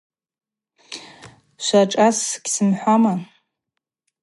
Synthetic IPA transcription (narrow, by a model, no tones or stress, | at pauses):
ʃʷaʈ͡ʂʼasɡʲsɨmħʷama